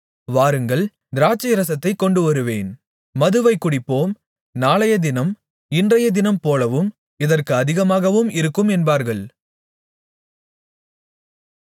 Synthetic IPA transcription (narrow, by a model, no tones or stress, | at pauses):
ʋaːɾɯŋɡɐɭ | d̪ɪɾaːt͡ʃːɐjɐɾɐsɐt̪ːɐɪkːɔɳɖɯʋɐɾɯʋeːn | mɐðɯʋɐɪkːʊɽɪpːoːm | naːɭɐjɐd̪ɪnɐm | ɪndrɐjɐd̪ɪnɐmpoːlɐʋɯm | ɪðɐrkɯɐðɪɣɐmaːɣɐʋɯmɪɾɯkːɯmɛnbaːɾɣɐɭ